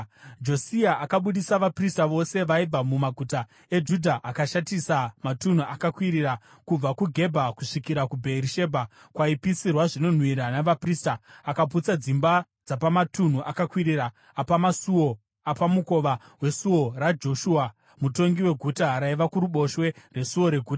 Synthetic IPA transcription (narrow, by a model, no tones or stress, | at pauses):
d͡ʒo̞siaʔakaɓuɗisaʋapristaʋo̞se̞ʋaib͡vamumaɡʱuta | e̞d͡ʒudʱaʔakaʃatisamatun̤uʔakakwiɾiɾa | kub͡vakuɡʱe̞bʱakuʂikiɾakubʱeɾiʃe̞ːbʱa | kwaipisirwaʐino̞n̤wiɾanaʋapristaːkaput͡sad͡zimba | d͡zapamatun̤uʔakakwiɾiɾaː | pamasuo | apamuko̞ʋa | we̞suwo̞rad͡ʒo̞ʃua | muto̞ŋɡiwe̞ɡʱutaɾaiʋakuɾuɓo̞ʃwe̞re̞suwo̞ɾe̞ɡʱuːta